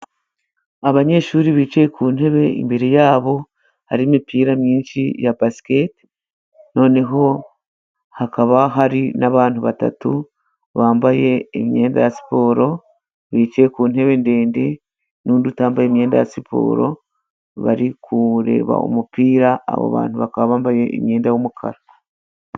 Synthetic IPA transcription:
aβaɲe̞ːʃuːɾiβiːt͡ʃejekuːn̥e̞βe̞ḭmbeɾejaːβo̞ | haɾimipiːɾamɲiːnʃḭjapasi̥keti̥ | no̞ːne̞ɦo̞ | hakaβaɦaɾinaβaːn̥uβata̰tu | βaːmbaje̞ːmje̞ːnda̰jasi̥po̞ːɾo̞ | βiːt͡ʃekuːn̥e̞βe̞nde̞ːnde̞ | nuːndutaːmbajeːmje̞ːnda̰jasipʰo̞̰ːɾo̞ | βa̰ɾikʰuɾe̞̰ːβa̰o̰mupiːɾa̰ːβo̰βa̰ːn̥uβakaββaːmbaje̞ʔːmje̞ːndajomukʰa̰ɾa

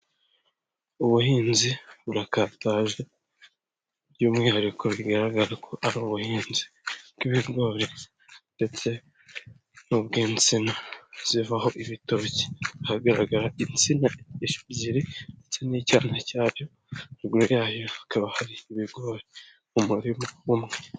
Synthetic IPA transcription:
uβuhiːnziβuɾakaːtaʒe̞ | juːmŋihaɾikʰo̞βiɡaɾaɡaɾakʰo̞ʔaɾoβuhiːnzi̥kiβiɾɡoːɾe | nde̞t͡se̞ | nubɡiːnt͡sinaz̥ivaho̞ʔiβito̞ːci̥ahaɡaɾaɡaɾaʔint͡sinaeʃu̥ɟiɾinde̞t͡se̞nicaːnacaːɾjo | miɡuɾujaːjoakaβahaɾiːβiɾɡoɾe | umuɾimoumŋe

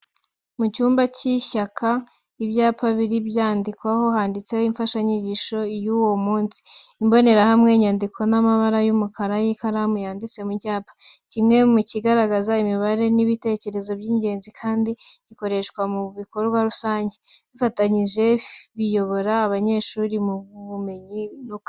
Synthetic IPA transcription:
mucuːmbaciʃakʰa | iβjaːpaβiɾibjaːndikwaho̞haːndit͡se̞hoiɱfaʃaɲiɟiʃo̞juwo̞muːnsi̥imbo̞ne̞ɾahamŋe̞ɲaːndikʰo̞namaβaɾajumukaɾajikaɾamujaːndit͡se̞mucaːpḁcimŋe̞muciɡaɾaɡazaimiβaɾe̞niβite̞ce̞ɾe̞zo̞bɟiːɲɟe̞ːnzikʰaːndiβiko̞ɾe̞ʃkwamuβiko̞ɾɡwaɾusaːɲɟeβifataɲiʒe̞βijo̞βo̞ɾaːβaɲe̞ʃuɾimuuβume̞ɲinuka

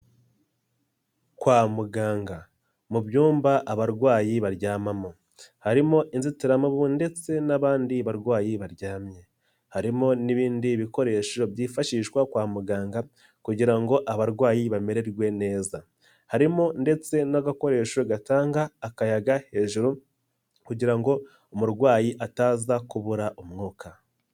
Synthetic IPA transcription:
kwaːmuɡaːŋɡa | mubjuːmbaʔaβaɾɡwaːjiβaɾɟaːmamo | haɾimo̞ʔinzitiɾamuβunde̞t͡se̞naβaːndiβaɾɡwaːjiβaɾɟaːmje̞ | haɾimo̞niβiːndiβiko̞ɾe̞ːʃo̞bjiːfaʃiːʃwakwaːmuɡaːŋɡa | kuɟiɾaŋɡo̞ʔaβaɾɡwaːjiβame̞ɾe̞ɾwe̞ne̞ːza | haɾimonde̞t͡se̞naɡako̞ɾe̞ːʃo̞ɡataːŋɡaːkajaɡahe̞ːʒuɾu | kuɟiɾaŋɡo̞ | omuɾɡwaːjiʔataːzakuβuɾaʔomŋuːkʰa

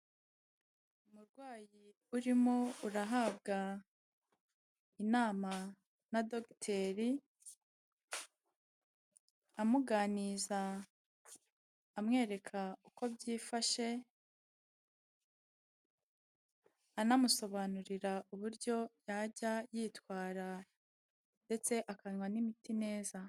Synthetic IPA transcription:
umuɾɡwaːji | uɾimo̞uɾaɦaːb̚ɡa | inaːma | nadoktʰeɾi | amuɡaːniza | mŋe̞ːɾe̞kʰauko̞bɟiːfaʃe̞ | anamuso̞βanuɾiɾauβuɾɟo̞jaɟajiːtwaːɾa | nde̞t͡se̞ʔakaɲwanimitine̞ːza

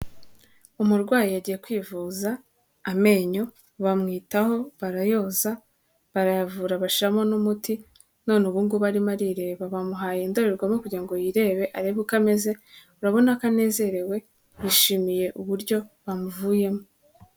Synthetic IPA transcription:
umuɾɡwaːjijaɟije̞kwiːvuːzaː | me̞ːɲo̞ | βamŋiːtaho̞βaɾajo̞ːza | βaɾajavuːɾaβaʃiɾamo̞numuti | no̞neβuːŋɡuβaɾimaɾiɾeβeβaβamuɦaːjendo̞ɾeɾɡwamokuɾɟiɾaŋɡo̞jiɾe̞βe̞ʔaɾeβukame̞ze̞ | uɾaβo̞nakane̞ːze̞ɾe̞we̞ | βiʃiːmije̞ʔuβuɾɟo̞βamuvuːje̞mo

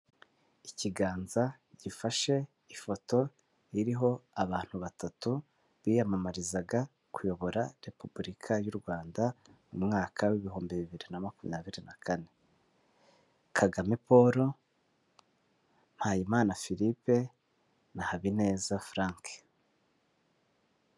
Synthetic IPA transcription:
iciɡaːnza | ɟifaʃe̞ | ifo̞to̞ | iɾiɦo̞aβaːn̥huβatatu | βiːjamamaɾizaɡa | kujo̞βo̞ɾaɾe̞pubuɾikʰajuɾɡwaːnda | umŋaːkʰawiβiɦo̞ːmbiβiβiɾinamakumḭjaβiɾinakʰane̞ | kʰaɡamepo̞ɾo̞ | n̥hajimaːnafiɾipe̞ | nahaβine̞ːzafɾaːŋke̥

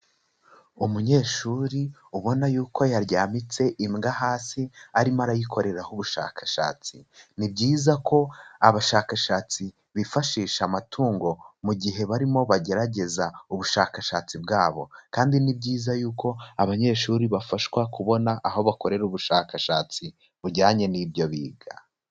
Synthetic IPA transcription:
umuɲe̞ːʃuːɾiuβo̞najuːkʰo̞jaɾɟaːmit͡se̞ʔimɡahaːsiaɾimaɾajikʰo̞ɾe̞ɾahuβuʃa̰ːkḁʃa̰ːt͡sinibɟiːzako̞aβaʃaːkaʃaːt͡si | βifaʃiːʃamatʰuːŋɡo̞muɟiɦe̞βaɾimo̞βaɟe̞ɾaɟe̞zauβuʃaːkaʃaːt͡sibɡaːβo̞̰kaːndinibɟiːzajuːko̞aβaɲe̞ːʃuːɾiβafaʃwakuβo̞naʔaɦo̞βako̞ɾe̞ɾuβuʃaːkaʃaːt͡si | βuɾɟaːɲe̞niːbjo̞βḭːɡa̰

